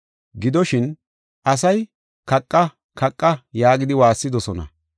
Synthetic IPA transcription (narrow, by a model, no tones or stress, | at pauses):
ɡɪd̪ɔʃɪn | ʔɐs̬ɐj | kɐkʼːɐ | kɐkʼːɐjaːɡɪd̪ɪwaːsːɪd̪ɔsɔnɐ̰